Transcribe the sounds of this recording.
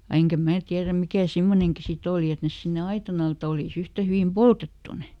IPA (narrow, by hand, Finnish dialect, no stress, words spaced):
jɑ eŋkæ mæː tiæræ mikæˑ simːoneŋki sit oˑli et nes sinːe ɑitɑn ɑl ĕt oliˑs yhtæ hyʋim poltetːu ne